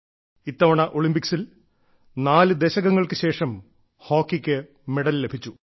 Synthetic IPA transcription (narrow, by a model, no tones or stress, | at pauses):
it̪ːɐʋɐɳɐʔo̞ɭimbiksil | naːlɨd̪eɕɐɣɐŋːɐɭkɨɕe̞ːʂɐm | hoːkːikʲːɨ | meɽɐlːe̞bʱit͡ɕːu